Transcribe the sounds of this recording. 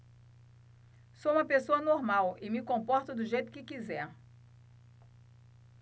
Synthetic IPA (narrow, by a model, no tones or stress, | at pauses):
soũmɐpesoɐnoɾmawɪmɪkõmpɔɾt̪ʊd̪ʊʒejt̪ʊ̥kɪkizɛɾ